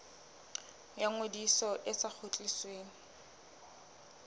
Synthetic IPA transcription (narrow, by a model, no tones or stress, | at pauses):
jaŋwedisɔʔɪsak͡xʰot͡ɬʼisweːŋ̩